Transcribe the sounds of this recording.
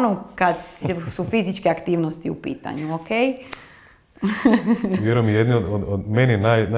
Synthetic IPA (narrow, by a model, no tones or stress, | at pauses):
nokad̪ssufizit͡ʃkeakt̪iːʋnost̪iṵpḭːt̪a̰ɲuokej | ʋjeɾojemijed̪niod̪od̪od̪meninajn